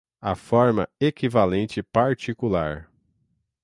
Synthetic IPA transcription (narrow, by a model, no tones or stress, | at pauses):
afɔɾmɐ̰ekivalẽnt͡ʃɪpaɾt͡ʃikulaɾ